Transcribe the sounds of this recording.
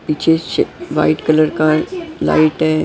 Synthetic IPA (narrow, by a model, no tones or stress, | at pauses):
piːt͡ʃʰeʃʋa̰ɪʈkələɾkala̰ːɪʈɦɛː